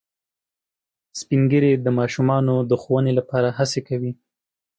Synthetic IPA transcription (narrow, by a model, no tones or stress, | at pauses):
spiŋɡəɾed̪əmɑʃumɑnod̪əxowənelapɑɾaɦasekawi